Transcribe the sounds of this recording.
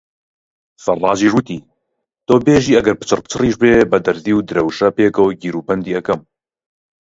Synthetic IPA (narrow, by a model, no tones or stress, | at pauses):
fɐrˤːɑːd͡ʒiːʒwɨt̪iː | t̪oːbeːʒiːɐɡɐɾpɨ̥t͡ʃɨrpt͡ʃʰɨriːʃbeːbɐd̪ɐɾziːwd̪ɨɾɐwʃɐpeːkɐwɡiːɾuːpɐnd̪iːɐkɐm